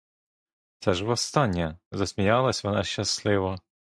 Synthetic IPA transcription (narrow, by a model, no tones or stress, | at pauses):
t͡sʲaʒʋɐst̪ɑnʲjɐzɐsʲmʲijɑlˠɐsʲʋɔnɑʃʲt͡ʃːɐslˠɪʋɔ